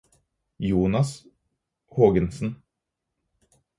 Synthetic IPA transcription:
juːnɑs | hoːɡənsn̩

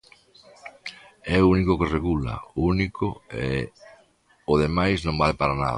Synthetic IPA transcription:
ɛunikokereɣula̰unikʰoe | oðemajsnõmbalpaɾana̰ð

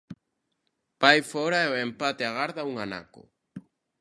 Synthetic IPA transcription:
pajfɔɾaɛoempat̪eaɣaɾðauŋana̰kʊ̰

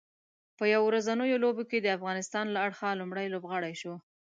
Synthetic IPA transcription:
pəjawoɾazanəjoloboked̪əafɣɑnɪst̪ɑnlaaɽxalumɽəjlobɣɑɽajʃo

